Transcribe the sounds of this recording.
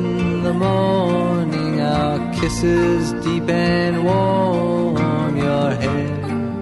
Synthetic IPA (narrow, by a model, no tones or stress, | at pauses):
nðəmɔ | nɪ̃ŋaəkʰɪsɪzdipɨ̃nwɔ | njə˞hɛ | d̥